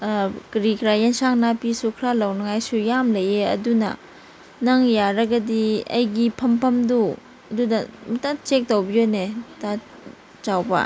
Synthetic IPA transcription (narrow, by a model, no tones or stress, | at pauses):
kɾikɾajensaŋnapisukʰɾalɐwnɐŋajsujamlɐjeɐ̰dunɐ̰ | nɐŋjaɾɐɡɐdiɐ̰jɡipʰɐmpʰɐmdu | ɐdunɐmɐtat͡ʃek̚towbijoneta | t͡ʃawbɐ̰